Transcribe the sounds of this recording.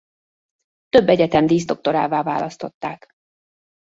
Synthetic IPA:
t̪ø̞bːɛɟɛt̪ɛnd̪iːzd̪o̞k̚t̪o̞ɾaːvaːva̰ːlɒst̪o̞t̪ːaːk

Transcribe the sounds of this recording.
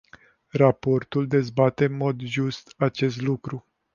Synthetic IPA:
rapo̞rt̪uld̪e̞zbat̪e̞nmo̞d̪ʒust̪at͡ʃe̞s̬t̪lukɾu

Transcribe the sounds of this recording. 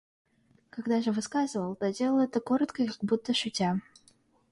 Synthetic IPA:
kaɡd̪aʐɨvɨskazɨvəlˠt̪odʲelˠəlˠɛt̪əko̞ɾət̪kəkaɡ̚but̪ːəʂʊtʲa

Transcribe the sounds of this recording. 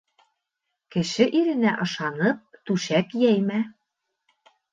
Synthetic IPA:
kɘ̆ʃɘ̆ʔiɾɘ̆næʔɤ̆ʃɑnɤ̆p̚t̪uʃækjæjmæ

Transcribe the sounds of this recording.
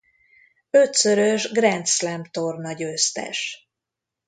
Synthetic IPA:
øt̪søɾøʒɡrɛnt̪slɛmpt̪ornɒɟøːst̪ɛ̰ʃ

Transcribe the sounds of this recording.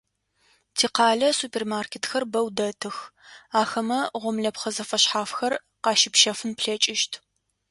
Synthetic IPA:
tʰiːqɑːɮɐsupʰeːrmaːrkʰetxɐrbɐwdɐtʰɨxaːxɐmɐʁʷɔmɮɐpχɐzɐfɐɕħaːfxɐr | qɑːʃɪpʃɐfɨnpɬɐt͡ʃʼɪʃtʰ

